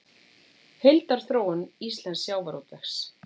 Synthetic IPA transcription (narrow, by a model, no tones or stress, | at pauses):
hejlt̪aɾ̥θɾoːwʏnist̪lɛnsjaːwvaɾowt̪ɛxs